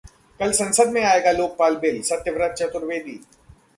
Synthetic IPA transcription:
kɐlsɐ̃nsəd̪mẽaːeːɡaloːk̚paːlbeːlsɐt̪jəʋɾət̪̚t͡ʃət̪ʊɾʋeːd̪ḭː

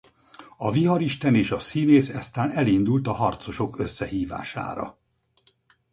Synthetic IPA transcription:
ɒviɦɒɾiʃt̪ɛneːʃɒsineːsɛst̪aːnɛlind̪ult̪ɒɦɒrt̪so̞ʃo̞kø̞sːɛɦiːva̰ːʃa̰ːɾɒ̰

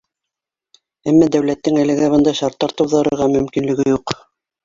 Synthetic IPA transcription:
æmːæd̪æwlæt̪ːɘŋælɘ̆ɡæbɤ̆nd̪ɑɕɑɾt̪ːɑɾt̪ɤ̆wðɑɾɤ̆ɾʁɑmɵ̆mkinlɘ̆ɡɘjuq

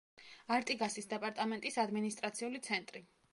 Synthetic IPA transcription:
aɾt̪ʼiɡasisd̪ɛpʼaɾt̪ʼamɛnt̪ʼisad̪minist̪ʼɾat̪sʰiulit̪sʰɛnt̪ʼɾi

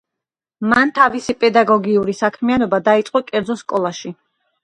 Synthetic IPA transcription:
mant̪ʰavisipʼɛd̪aɡɔɡiuɾisakʰmianɔbad̪ait̪sʼqʼɔkʼɛɾd̪zɔskʼɔlˠaʃi

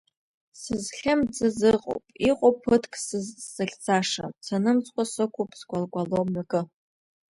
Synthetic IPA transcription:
sɨzχʲamd͡zɨzɨqʼo̰wpʼiqʼowpʰɨtʰkʼszɨɬʲt͡sʰaʂa̰sanɨmt͡sʼkʷʼasɨkʷʰupʼsɡʷʼalɡʷʼalomɥaɡʼɨ

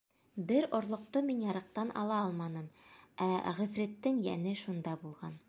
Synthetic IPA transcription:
bɘɾŏɾlˠŏq̚t̪ɤminjɑɾɤ̆q̚t̪ɑnʔɑ̰lˠɑɑlˠmɑnɤmæʁɵ̆fɾɘt̪ːɘŋjænɘʃund̪ɑbulˠʁɑn

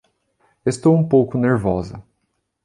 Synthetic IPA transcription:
est̪owũpowkʊneɾvɔzɐ

